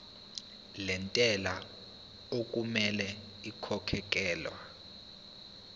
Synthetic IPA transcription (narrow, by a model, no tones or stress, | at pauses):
lɛntʼɛla | ok̬ʼumɛlɛ | ikʰɔkʰɛk̬ʼɛːlwa̰